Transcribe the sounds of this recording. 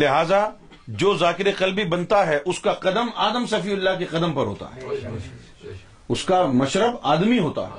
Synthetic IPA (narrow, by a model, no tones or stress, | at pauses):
lɪɦaːza | d͡ʒoːzaːkɪɾeqɐlbibɐ̃nt̪aɦɛʔʊskaqɐd̪əmaːd̪əmsɐfiːʊlːakeqɐd̪əmpɐɾɦo̰ːt̪a̰ɦɛ̰ː | ʊskamɐʃɾəbaːd̪miɦoːt̪a̰ːɦɛ